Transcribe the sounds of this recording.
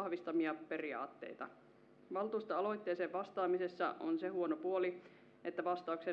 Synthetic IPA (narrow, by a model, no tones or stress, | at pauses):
ɑhʋist̪ɑmiɑpe̞riɑ̰ːt̪ːḛjt̪ɑ̰ | ʋɑlt̪uːst̪ɑɑlo̞jt̪ːe̞ːseːʋʋɑst̪ɑːmisesːɑ̰ʔonsehuonopuoli | ʔet̪ːæʋɑst̪ɑukse